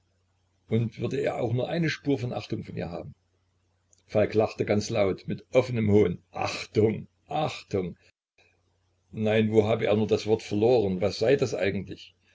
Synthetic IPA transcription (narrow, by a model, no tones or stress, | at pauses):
ʔʊntv̥ʏɐdəḛːɐʔa̰ʊxnuːɐʔaɪnəʃpuːɐfɔnʔa̰χtʊŋfɔnḭːɐɦa̰ːb̚m̩ | falklaχtəɡant͡slaʊtmɪtʔɔfənəmhoːnʔa̰χtʊŋ | ʔaχtʊŋ | naɪnvoːɦaːbəʔḛːɐnuːɐdasv̥ɔɐtfɛɐloːʁ̞ənvasz̥aɪdasʔa̰ɪɡŋ̩tlɪç